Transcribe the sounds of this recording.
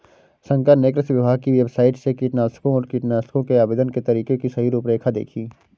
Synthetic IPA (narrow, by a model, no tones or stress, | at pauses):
sə̃ŋkəneːkɾɪsʋɪbʱaːɡ̚kiʋebsaːɪʈsekiːʈnaːskõɔːɾkiʈnaːskõkeaːbeːd̪ənket̪ɐɾiːkekisɐɦiɾuːpɾeːkʰad̪ḛːkʰiː